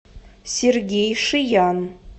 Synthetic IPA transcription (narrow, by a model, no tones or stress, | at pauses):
sʲerɡʲejʂɨjɑn